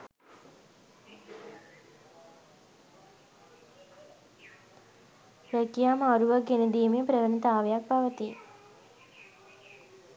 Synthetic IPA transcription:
ɾəkjaːmaɾuʋaɡenəd̪iːmepɾəʋənit̪aːʋejak̚paʋət̪i

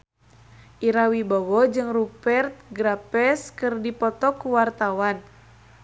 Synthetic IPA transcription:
ʔiɾawibɔwɔd͡ʒɨŋrupɛrt̪̚ɡɾapɛskɨrdipɔt̪ɔkuwart̪awan

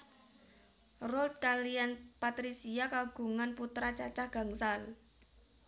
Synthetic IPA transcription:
rɔlt̪̚kalijanpat̪ɾisiakaɡ̥ṳŋanput̪ɾat͡ʃat͡ʃahɡ̥a̤ŋsal

